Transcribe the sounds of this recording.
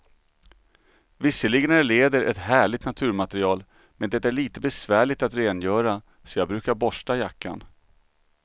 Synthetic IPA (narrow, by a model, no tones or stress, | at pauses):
vɪsːəlɪɡnæɭeːd̪əɾʔɛ̰t̪hæːɭɪt̪nat̪ʰʉ̟ːɾmat̪ɛɾɪɑːl | mɛnd̪ɛt̪æɭiːt̪əbɛsvæːɭɪɡt̪at̪ɾeːnjœːɾa | sɔjɑːɡ̚bɾʉ̟ːkaɾbɔʂʈajakːa̰n